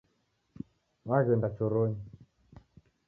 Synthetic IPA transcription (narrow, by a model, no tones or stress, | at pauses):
waɣəndat͡ʃoɾoɲ